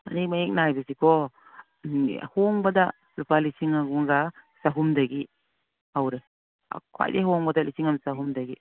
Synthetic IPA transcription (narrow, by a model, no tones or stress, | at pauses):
ɐ̰nik̚maek̚najbɐsikʰɔ | hoŋbɐda | lupalisiŋaɡuŋɡasaɦumdɐɡi | awɾḛ | kʰa̰jdeɦoŋbɐdalisiŋamsaɦumdɐɡi